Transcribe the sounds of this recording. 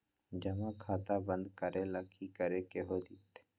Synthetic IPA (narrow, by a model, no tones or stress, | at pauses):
d͡ʒɐmãkʰaːt̪abə̃nd̪kəɾeləkʰikəɾekeɦod̪it̪